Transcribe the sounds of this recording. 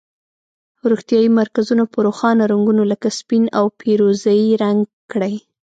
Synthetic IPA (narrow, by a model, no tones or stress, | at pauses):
ɾoxt̪jɑjimaɾkazunopəɾoxɑnaɾaŋɡunoləkaspinawpʰeɾozajiɾaŋɡ | kɽaj